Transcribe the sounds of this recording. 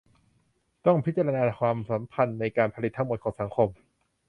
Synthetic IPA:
t̪ɔ˥˩ŋpʰi˦˥t̪̚t͡ɕa˧ɾa˧naː˧kʰwaː˧msa˩˦mpʰa˧nːa˧jkaː˧npʰa˧li˨˩t̪ʰːa˦˥ŋmo˨˩t̪̚ʰɔː˩˦ŋsa˩˦ŋkʰo˧m

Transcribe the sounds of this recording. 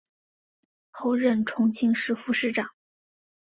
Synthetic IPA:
xo˥˧ʊɻə˥˩nʈ͡ʂʰʊ˧˥ŋt͡ɕʰi˥ŋʂɻ̩˥˧fu˥˧ʂɻ̩˥˩ʈ͡ʂɑ˨˩˦ŋ

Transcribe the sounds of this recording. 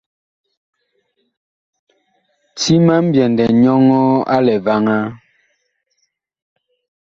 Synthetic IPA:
tʰi˦ma˦m̩˦bjɛ˨ndɛ˨ɲɔ˦ŋɔ˦a̰˦lɛ˨va˦ŋa˦

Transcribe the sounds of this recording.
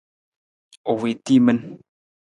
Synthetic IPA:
o˨we˨ti˦mə˦n

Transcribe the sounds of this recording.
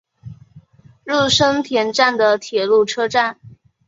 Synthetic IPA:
ɻu˥˩ʂɤ˥ŋt̪ʰjɛ˧˥nʈ͡ʂa˥˩nd̪ə˩t̪ʰjɛ˨˩lu˥˩ʈ͡ʂʰɤ˥ʈ͡ʂa˥˩n

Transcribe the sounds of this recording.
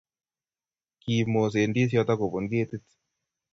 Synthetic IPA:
ki˨mo˨s̬e˨ndi˦s̬jɔ˦ta˦ko˨βo˨ŋɡe˦ti˦t

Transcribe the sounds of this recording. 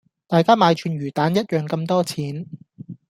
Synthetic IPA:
t̪aː˨jkaː˥maː˨˧jt͡ʃʰyː˨˧nɥyː˨˩t̪aː˨˥njɐ˥t̚jœː˨ŋkɐ˧mt̪ɔː˥t͡sʰiː˨˦˥n

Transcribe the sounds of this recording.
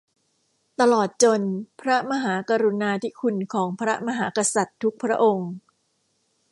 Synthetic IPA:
t̪a˧lɔː˨˩t̪̚t͡ɕo˧npʰɾa˦˥ma˧ɦaː˩˦ka˧ɾu˧naː˧t̪ʰi˦˥kʰu˧nkʰɔː˩˦ŋpʰɾa˦˥ma˧ɦaː˩˦ka˧sa˨˩t̪ʰːu˦˥k̚pʰɾa˦˥ʔo˧ŋ

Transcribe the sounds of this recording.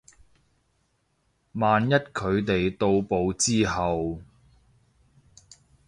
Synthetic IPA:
maː˨njɐ˥t̚kʰɵ˨˧ɥt̪e˨jt̪o˧wpo˨˧wt͡siː˥ɦɐ˨w

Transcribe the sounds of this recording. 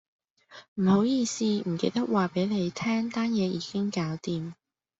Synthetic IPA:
m̩˨˩ho˨˥wjiː˧siː˥m̩˨˩ke˧jt̪ɐ˥k̚waː˨pe˨˥jle˨˧jt̪ʰɛː˥ŋt̪aː˥njɛː˨˧jiː˨˧kɪ˥ŋkaː˨˥wt̪iː˨m

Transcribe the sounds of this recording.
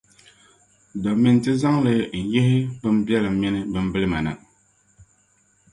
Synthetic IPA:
dɔ˨mi˦n˨tɨ˦za˦ŋlɨ˨n̩˨je˦ɦi˦bɨ˦m̩˦bjɛ˦lɨ˨m̩˦mi˦nɨ˦bɨ˦m̩˦bɨ˦lɨ˦ma˨na̰˨

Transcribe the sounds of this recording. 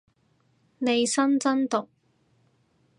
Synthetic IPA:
ne˨˧jsɐ˥nt͡sɐ˥nt̪ʊ˨k̚

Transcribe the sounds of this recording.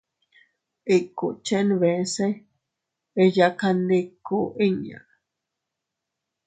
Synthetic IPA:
i˧ku˨t͡ʃe˦nβẽ˨˦se˦ | e˧ja˧ka˧ndi˧ku˦˨ʔĩ˦ɲã̰˨

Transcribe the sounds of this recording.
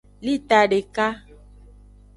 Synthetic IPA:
li˦t̪a˨ɖe˨ka˦

